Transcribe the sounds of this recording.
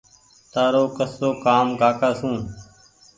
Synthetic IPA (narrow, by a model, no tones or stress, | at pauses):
t̪aːɾoːkəsoːkaːmɡʱaːkaːsũː